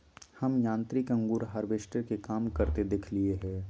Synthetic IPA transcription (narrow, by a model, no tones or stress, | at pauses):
hɐmjãːnt̪ɾikɐ̃ŋɡuːɾɦaɾbeʃʈəɾkekaːmkɐɾt̪ed̪ɪkʰlieɦɛː